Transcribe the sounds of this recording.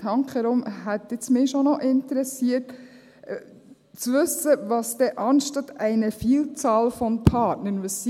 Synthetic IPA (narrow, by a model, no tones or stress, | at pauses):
ɑŋkχəɾʊmɦɛtɪt͡smɪːʃɔnɔʔɪntəɾɛsiət | t͡sʋɵsəʋɑsd̥ɛʔɑnʃtɑtɛɪnəfiːlt͡sɑːlfɔnpʰɑːtnənʋɑsi